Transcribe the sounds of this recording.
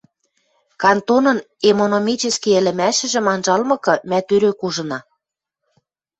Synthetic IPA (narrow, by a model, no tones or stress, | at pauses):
kɑnt̪onɤ̆n | emonomʲit͡ɕɘ̆skiə̆lɘ̆mæʃɘ̆ʒɘ̆mɑnʒɑlmɤ̆kɤ̆mæt̪øɾøkuʒɤ̆nɑ